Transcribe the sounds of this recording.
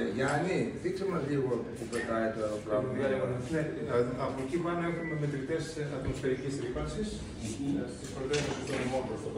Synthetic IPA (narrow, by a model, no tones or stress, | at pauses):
ʝɐniθikseɾmɐzʎiɣot̪pupɾet̪ɐet̪oeɾoplɐðoðiɐonneɐpocipɐne̞xume̞met̪ɾit̪e̞sɐt̪mosfe̞ɾicisɾipɐnsis | st̪ispɾot̪esɐsut̪onimonpɾost̪o